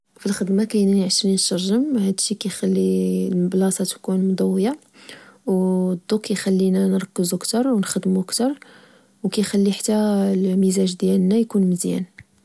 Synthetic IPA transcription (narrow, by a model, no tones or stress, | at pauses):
filxəd̪makæjnænʕʃɾinʃɑɾˤʒəmhæd̪ʃikæjxælːilblɑsˤɑt̪kunmʊd̪ˤɑwːəja | wd̪ˤːukːjxælːinænɾˤɑkːəzukt̪ɑɾˤwnxəd̪mukt̪ɑɾˤ | wkæjxælːiħḁt̪ːælmizæʒd̪jælnæjkunməzjæ̰n